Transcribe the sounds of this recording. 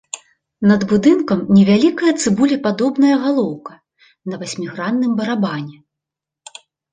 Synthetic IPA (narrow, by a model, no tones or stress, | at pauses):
nɐd̪bud̪ɨnkɐmnʲɛvʲalʲikɐjɐt̪sɨbulʲɛpad̪ɔbn̪ɐjɐɣalˠɔwkɐ̥ | nɐvasʲmʲiɣɾanːɨmbɐɾabanʲɛ